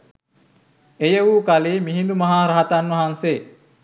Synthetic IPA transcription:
ejəʋuːkaleːmiɦind̪umɐɦaːɾɐɦat̪anʋɐɦanse

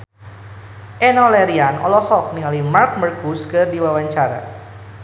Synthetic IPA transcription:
ʔɛnɔlɛɾianʔɔ̰lɔhɔk̚niŋalimark̚mərkuskɨrdiwawaɲt͡ʃaɾa̰

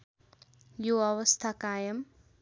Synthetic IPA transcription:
joʌwʌst̪ʰakajʌm

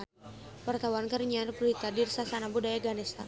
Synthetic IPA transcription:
wart̪awankəɾɲarbɾuik̪adirsasanabudajaɡanɛst̪a̰

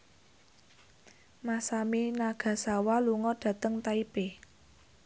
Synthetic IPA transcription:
masaminaɡ̥ä̤sawaluŋɔd̥ä̤t̪əŋt̪aipe

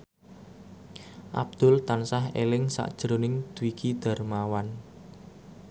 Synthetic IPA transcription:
ʔa̰b̚d̪̥ʊ̤lt̪ansaɦḛlɪŋsa̰ʔd̥ʒ̥ɾonɪŋd̪̥uwikʰid̪̥a̤rmawan

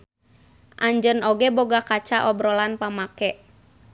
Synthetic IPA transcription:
ʔaɲd͡ʒənɔɡɛboɡakat͡ʃaʔɔbɾɔlanpamakɛʔ

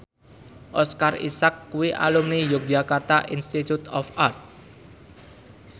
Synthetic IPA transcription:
ʔɔskarḭsakːuwiʔa̰lumnijʊk̚d͡ʒakart̪aʔinst̪it̪ut̪ɔfart̪̚

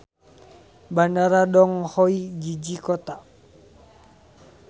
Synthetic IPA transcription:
bandaɾadɔŋhɔid͡ʒid͡ʒikɔt̪a

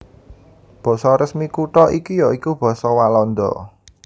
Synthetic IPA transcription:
b̥ɔ̤sɔɾəsmikuʈɔʔikijɔikub̥ɔ̤sɔwalɔnd̪ɔ̰

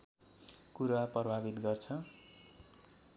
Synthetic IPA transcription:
kuɾwaprʌbʱabit̪ɡʌrt͡sʰʌ

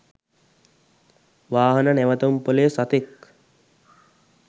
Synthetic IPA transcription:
ʋaːɦɐnənɛʋət̪ompolejsat̪ek

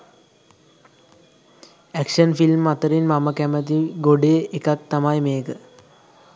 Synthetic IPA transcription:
ækʂənfilmːat̪əɾinmaməkæmət̪iɡoɖeːʔekak̚t̪amajmeːkə

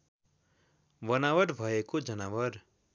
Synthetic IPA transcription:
bʌnawʌɾbʱʌekod͡zʌnawʌɾ

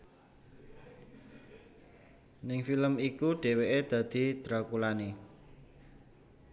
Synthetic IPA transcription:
nɪŋfiləmikuɖ̥eweʔed̪̥a̤d̪̥i̤d̪̥ɾakulani

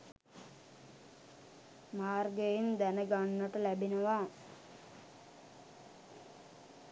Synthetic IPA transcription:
maːrɡəjind̪ænəɡanːəʈəlæbinəʋaː

